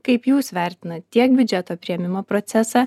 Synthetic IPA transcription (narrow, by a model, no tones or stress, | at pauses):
kɐɪpjuːsʋʲɛˑɾʲt̪ʲɪnɐt̪t̪ʲiɛk̚bʲʊd͡ʒʲɛt̪oːpʲɾʲɪɛmʲɪmoːpɾoːt̪sʲɛsɑː